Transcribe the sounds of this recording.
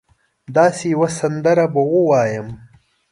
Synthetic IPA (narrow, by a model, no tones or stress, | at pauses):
d̪ɑːsejwasɐnd̪ɐɾabɐwowɑːjəm